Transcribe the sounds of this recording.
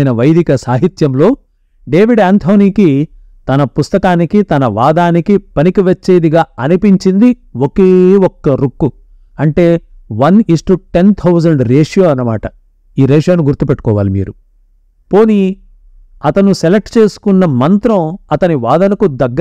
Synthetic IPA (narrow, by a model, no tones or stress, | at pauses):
nɐʋɐjd̪ʱikɐsaːɦit̪jɐmlo̞ː | ɖe̞ːʋiɖaːnt̪ʰoːniːki | t̪ɐnɐpust̪ɐkaːnikit̪ɐnɐʋaːd̪aːnikipɐnikiʋɐt͡ʃːe̞ːd̪iɡaːɐnipiɲt͡ʃind̪i | okeːɔkːɐɾukːu | ɐɳʈe̞ːʋɐnisʈuʈe̞nt̪ʰɐwzɐɳɖɾeːʂjoːɐnːɐmaːʈɐ | iːɾeːʂjaːnuɡuɾt̪upɛʈːu̥kɔːʋa̰ːlimḭːɾu | po̞ːni | ɐt̪ɐnuselek̚ʈt͡ʃe̞ːsu̥kunːɐmɐnt̪ɾɐ̃wɐt̪ɐniʋaːd̪ɐnɐkud̪ɐɡː